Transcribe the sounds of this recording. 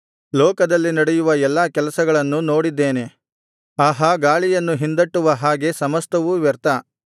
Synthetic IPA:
lɔːkɐd̪ɐlːinɐɽejuʋɐɛlːaːkɛlɐsɐɡɐɭɐnːuno̞ːɽid̪ːeːne̞ | aɦɐɡaːɭijɐnːuɦind̪ɐʈːuʋɐɦaːɡe̞sɐmɐst̪ɐʋuʋɛɾt̪ɐ

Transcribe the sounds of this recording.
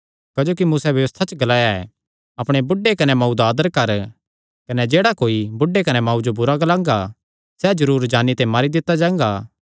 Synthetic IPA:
kad͡ʒoːkimuːsɛʋjɐʋəst̪ʰat͡ʃɡɐlaːjaɛ̰ | ɐpɽ̃ebʊɖːekɐnemɐud̪aːd̪əɾkɐɾ | kɐned͡ʒeːɽakoːibʊɖːekɐnemaːũd͡ʒobʊɾaɡɐlãːŋɡa | sɛd͡ʒɐɾuːɾd͡ʒaːnit̪ɛ̃maːɾid̪ɪt̪ːad͡ʒãːŋɡaː

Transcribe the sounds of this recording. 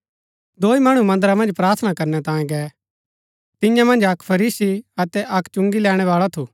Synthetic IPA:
d̪oːimɐɽ̃umɐ̃nd̪əɾamɐ̃nd͡ʒpɾaːɾt̪ʰnakɐɾnɛt̪ãːẽɡɛ | t̪ɪ̃jãmɐ̃nd͡ʒɐkpʰɐɾiːsiɐt̪ɛʔɐkt͡ʃʊ̃ŋɡilɛːɽ̃ɛʋaːɭat̪ʰuː

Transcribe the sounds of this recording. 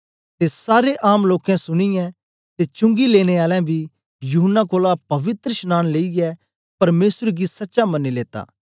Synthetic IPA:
t̪esaːɾeʔaːmloːkɛ̃sʊɽ̃ijɛ̃ | t̪et͡ʃʊ̃ŋɡileːɽ̃eaːlɛ̃bʱi | juɦənːakoːlapɐʋɪt̪ɾəʃnaːnleːiɡɛ | pɐɾmeːsɾeɡisɐtːʃamɐnːileːt̪a̰ː

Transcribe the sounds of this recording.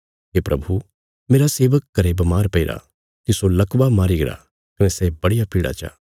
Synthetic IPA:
ɦeːpɾɐbʱu | meːɾaseːʋəkːɐɾebɐmaːɾpɐɪɾa̰ | kisolɐkʋamaːɾiɡɪɾa̰ | kɐnɛsɛbɐɽijapiːɽa̰t͡ʃa̰ː

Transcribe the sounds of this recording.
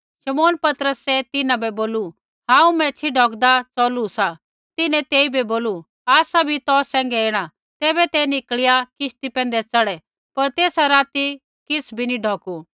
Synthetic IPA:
ʃɐmoːnpɐt̪əɾəsɛt̪ɪnãbɛboːlu | ɦãːũmɛ̃t͡ʃʰiɖʱɔːkd̪at͡sɔːlusa | t̪ɪnɛ̃t̪eːibʱiboːlu | aːsabʱit̪ɔːsːɛ̃ːŋɡɛeːɽ̃a | t̪ɛːbɛt̪ɛnɪkɭɪjakɪʃt̪ipɛ̃ːnd̪ɛt͡sɐɽɛ | pɐɾt̪eːsaɾaːt̪i | kɪsʰbʱiniɖʱɔːku

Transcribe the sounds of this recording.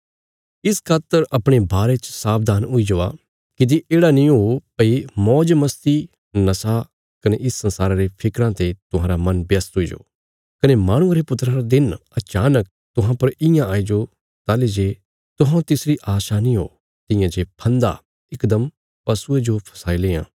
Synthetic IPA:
ɪskʰaːt̪ːəɾɐpɽ̃ebʱaːɾet͡ʃsaːb̚d̪ʱaːnʊid͡ʒoːa̰ | kid̪iʔeːɽanĩɦopɐimɔːd͡ʒmɐst̪i | nɐsa | kɐneʔɪsːɐ̃nsaːɾaɾepʰɪkɾãt̪et̪ʊɦãːɾamɐnbjɐst̪ɦʊid͡ʒo̰ː | kɐnemaːɽ̃ʊ̃ãɾepʊt̪ɾãɾad̪ɪnɐt͡ʃaːnək̚ | t̪ʊɦãpɐɾɪjãaːid͡ʒo | t̪aːled͡ʒe | t̪ʊɦãt̪ɪsɾiʔaːʃanĩɦo̰ː | t̪ɪ̃jãd͡ʒepʰɐ̃nd̪a̰ | ɪkd̪əm | pɐsued͡ʒopʰɐ̥saːileːã̰ː

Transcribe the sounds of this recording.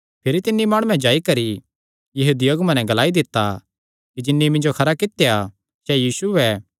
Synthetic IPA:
pʰɪɾit̪ɪnːimaːɽ̃ũːɛ̃d͡ʒaːikɐɾi | jɐɦuːd̪ijoːɡmɐ̃nɛ̃ɡɐlaːid̪ɪt̪ːa | kid͡ʒɪnːimɪ̃nd͡ʒokʰɐɾakɪt̪ːeja | sɛjiːsuɛ

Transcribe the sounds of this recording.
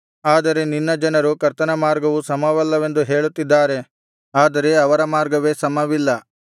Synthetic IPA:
aːd̪ɐɾe̞ninːɐd͡ʒɐnɐɾukɐɾt̪ɐnɐmaːɾɡɐʋusɐmɐʋɐlːɐʋe̞nd̪uɦe̞ːɭut̪ːid̪ːaːɾe̞ | aːd̪ɐɾe̞ɐʋɐɾɐmaːɾɡɐʋeːsɐmɐʋilːɐ

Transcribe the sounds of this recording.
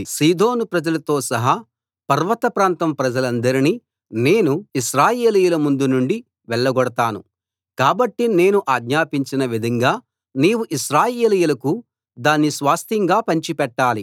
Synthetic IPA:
siːd̪o̞ːnupɾɐd͡ʒɐlɐt̪o̞ːsɐɦa | pɐɾʋɐt̪ɐpɾaːnt̪ɐmpɾɐd͡ʒɐlɐnd̪ɐɾini | ne̞ːnuiʃɾaːjeːlijulɐmund̪unuɳɖi | ʋɛɭːɐɡɔɽɐt̪aːnu | kaːbɐʈːine̞ːnuʔaːɡɲaːpiɲt͡ʃinɐʋid̪ʱɐŋɡaː | niːwuʔiʃɾaːjeːlijulɐku | d̪aːnːisʋaːst̪ʰiŋɡaːpɐɲt͡ʃipɛʈːaːli

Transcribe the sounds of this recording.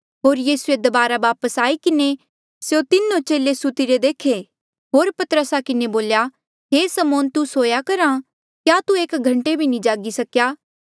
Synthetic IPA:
ɦoːɾjiːsued̪ɐbaːɾaʋaːpəsaːikɪne | sjot̪ɪnːõt͡ʃeːlesʊt̪iɾed̪eːkʰe | ɦoːɾpɐt̪əɾəsakɪneboːlja | ɦeːsɐmoːnt̪usoːjakɐɾã | kjaːt̪ueːkɡʱɐ̃ɳʈebʱinĩd͡ʒaːɡisɐkjaː

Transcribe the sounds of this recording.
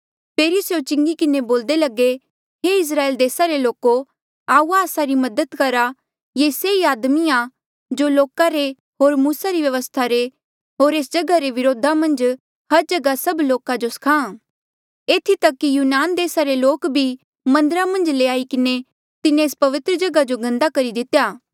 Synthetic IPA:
peːɾisjot͡ʃɪ̃ŋɡikɪneboːld̪elɐɡe | ɦeɪs̬ɾaːeːld̪eːsaɾeloːko | aːuːaːsaɾimɐd̪ət̪kɐɾa | jeseiaːd̪mia | d͡ʒoloːkaɾe | ɦoːɾmuːsaɾiʋjɐʋəst̪ʰaɾe | ɦoːɾeːsd͡ʒɐɡaɾeʋɪɾoːd̪ʱamɐ̃nd͡ʒ | hɐɾd͡ʒɐɡasɐbloːkad͡ʒoskʰãː | eːt̪ʰit̪ɐkːijuːnaːnd̪eːsaɾeloːkbʱi | mɐ̃nd̪əɾamɐ̃nd͡ʒleːaːikɪne | t̪ɪnẽeːspɐʋɪt̪ɾəd͡ʒɐɡad͡ʒoɡɐ̃nd̪akɐɾid̪ɪt̪jaː

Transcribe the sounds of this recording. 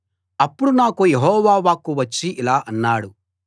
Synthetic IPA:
ɐpːuɽunaːkujeɦɔːʋaːʋaːkuʋɐt͡ʃːiʔilaːʔɐnːaːɽu

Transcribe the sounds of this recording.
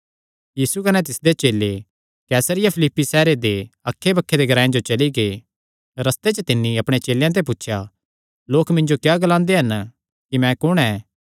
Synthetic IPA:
jiːsukɐnɛt̪ɪsd̪et͡ʃeːle | kɛːsəɾɪjapʰɪlɪpːisɛːɾed̪eɐkʰːebɐkʰːed̪eɡɐɾaːẽd͡ʒot͡ʃɐliɡe | ɾɐst̪et͡ʃət̪ɪnːiɐpɽ̃et͡ʃeːljãt̪̬ep̬ʊtːʃʰja | loːkmɪ̃ɲd͡ʒokjaːɡlãːnd̪eɦɐn | kimɛ̃kʊɽ̃ɛ̃ː

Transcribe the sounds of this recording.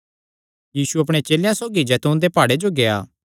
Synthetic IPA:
jiːsuɐpɽ̃et͡ʃeːljãsoːɡid͡ʒɛt̪õnd̪epaːɽed͡ʒoɡea̰ː

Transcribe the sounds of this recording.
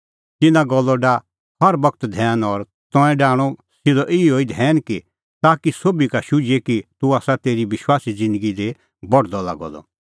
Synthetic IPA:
t̪ɪnãɡɔlːɔɖa | hɐɾbɐk̚t̪d̪ʱɛːnɔɾ | t̪ɔ̃ːɛ̃ɖaːɽ̃ɔsɪd̪ɔʔɪioːid̪ʱɛːnki | t̪aːkisoːbikaʃʊd͡ʒekit̪uaːsat̪eːɾiʋɪʃwaːsid͡zɪ̃nd̪əɡid̪e | bɔɽd̪ɔla̰ɡɔ̰lɔ̰

